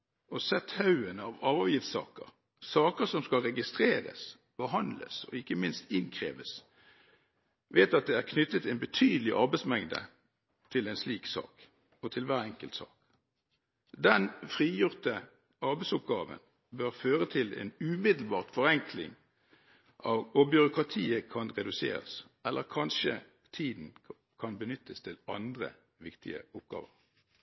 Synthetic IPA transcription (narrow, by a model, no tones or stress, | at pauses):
ɔsɛt̪hɑʉənɑːʋɑʋəʋjɪft̪sɑ̰ːkə̰ʁ | sɑːkəʁsɔmskɑlʁɛɡɪst̪ʁeːʁə̰s | b̥əɦɑnd̪lə̰sɔ̰ɪkːəmɪnst̪ɪnkʰʁḛːʋəs | ʋeːt̪ɑt̪̚d̪ɛæʁkʰnʏt̪ːət̪ʰːɛnbət̪ʰyːd̪əlɪʔɑʁbɛɪsmɛŋd̪ə̰ | t̪ʰɪlɛɪnsliːksɑ̰ːk | ɔt̪ʰɪlʋæːʁɛŋkəlt̪sɑ̰ːk | d̪ɛnfʁiːjʊʁt̪ə | ɑʁbɛɪsʊp̚ɡɑːʋə̰n | bœʁføːʁət̪ʰɪlɛḛːnʉːmɪd̪l̩bɑːʁt̪fɔʁɛŋkʰlɪ̰ŋ | ʔɑʋɔbjʏʁʊkʁɑt̪ʰiːəkʰɑnʁɛd̪ʉsḛːʁə̰s | ʔɛlːəʁkʰɑnʃə | t̪ʰiːd̪n̩ | kʰɑnbənʏt̪ʰːəst̪ʰɪlɑnd̪ʁə̰ | ʋɪkt̪ʰɪ̰ə̰ʊp̚ɡ̥ɑ̰ːʋəʁ